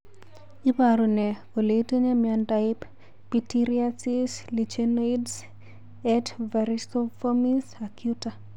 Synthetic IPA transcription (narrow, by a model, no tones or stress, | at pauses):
ipaɾonɛkoleteɲamiandaɪp | pitiɾiasislit͡ʃenoids | ɛtvaɾistofomisakjuta